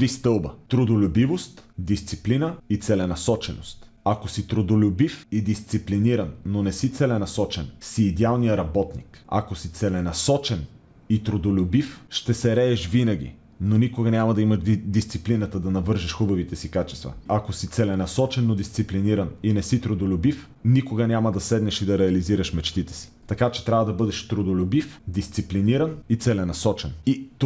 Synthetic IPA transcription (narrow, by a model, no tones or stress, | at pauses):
t̪ɾist̪ɤlˠbət̪ɾod̪olʲʊbivost̪d̪ist̪siplinəit̪sɛlɛnɐsɔt͡ʃɛno̰st̪ | akosit̪ɾod̪olʲʊbifid̪ist̪sipliniɾɐnːonɛsit̪sɛlɛnɐsɔt͡ʃɛnsiːd̪ɛalˠnijəɾɐbɔt̪nika̰kosit̪sɛlɛnɐsɔt͡ʃɛn | it̪ɾod̪olʲʊbifʃt̪ɛsɛɾɛːʃvinɐɡ̟ḭ | nonikoɡənʲamɐd̪ɐiməʃd̪ist̪siplinət̪əd̪ɐnɐvɤɾʒiʃxubɐvit̪ɛsikat͡ʃɛ̥st̪vɐ̰ɐkosit̪sɛlɛnɐsɔt͡ʃɛnːod̪ist̪sipliniɾɐninɛsit̪ɾod̪olʲʊbif | nikoɡənʲamɐd̪ɐsɛd̪nɛʃid̪ɐɾɛɐliziɾɐʃmɛt͡ʃt̪it̪ɛ̥si̥t̪ɐkat͡ʃɛ̥t̪ɾʲavɐd̪ɐbɤd̪ɛʃt̪ɾod̪olʲʊbifd̪ist̪sipliniɾɐnit̪sɛlɛnɐsɔt͡ʃɛnit̪